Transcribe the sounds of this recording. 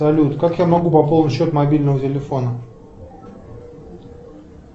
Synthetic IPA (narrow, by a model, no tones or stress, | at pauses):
ɐlʲut̪kakjamɐɡupɐpolˠnɕːo̞t̪mɐbʲilʲnəvətʲɪlʲɪfo̞nə